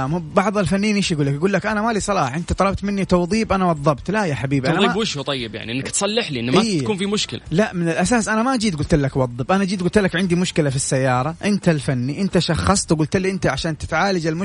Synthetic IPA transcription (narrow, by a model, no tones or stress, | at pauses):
mbɑʕðˤalfanːiːnʔɪːʃjɡuːlːakjaɡuːlːakʔanamalisˤɑlɑːħʔɪnt̪at̪ˤɑlɑb̚t̪mɪnːit̪ɑwðˤiːbʔanawɑðˤːɑbt̪lajaħabiːbʔanðˤibwɪʃhut̪ˤɑjːɪbja̰ʕniʔɪnːakt̪sˤɑlːɪħliʔɪnːmʔiːakuːnfimʊʃkɪla̰laʔmɪnɪlʔasaːsʔanamaʔad͡ʒiːd̪ɡʊlt̪lːakwɑðˤːɨbʔanaʔad͡ʒiːd̪ɡʊlt̪lːakʕɪnd̪imʊʃkɪlafisːajːɑːɾˤɑʔɪnt̪alfanːiʔɪnt̪aʃɑxːɑsˤt̪ɡʊːlt̪lːiʔɪnt̪aʕaʃaːnt̪ɪt̪ʕaːlad͡ʒɪlmʊ